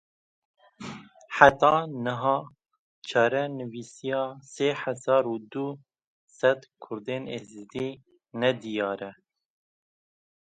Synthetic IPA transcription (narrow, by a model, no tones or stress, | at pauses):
ħat̪ɑːnɨɦɑː | t͡ʃʰɑɾɛnɨviːsijɑːseːħɛzɑːɾuːd̪u | sɛd̪kʰʊɾd̪eːnḛːzɨd̪iː | nɛd̪ijɑːɾɛ